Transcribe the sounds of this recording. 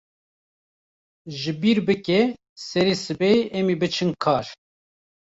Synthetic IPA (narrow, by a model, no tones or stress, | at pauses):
ʒɨbiːɾbɨkʲɛ | sɛɾesɨbɛɛmibɨt͡ʃʰɨnkʰɑːɾ